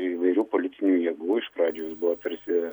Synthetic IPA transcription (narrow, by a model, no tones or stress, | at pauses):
iʋɐɪɾʲuːpoːlʲɪt̪ʲɪnʲuːjɛːɡuːɪʃpɾɑːd͡ʒʲoːjosbʊʋoːt̪ɐɾʲsʲɪ